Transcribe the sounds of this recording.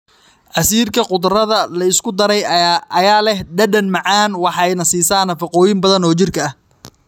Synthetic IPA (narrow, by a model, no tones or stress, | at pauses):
ʔɐsiːrkʰɐqʊd̪rɐðɐlɐɪskʰʊd̪ɐɾɛjɐjaːlɛhɖɐɖɐnmɑʕɑːnwɑħɑɛjnɐsiːsaːnɐfɪqɔːjɪmbɐðɐnɔːt͡ʃɪrkʰɐːh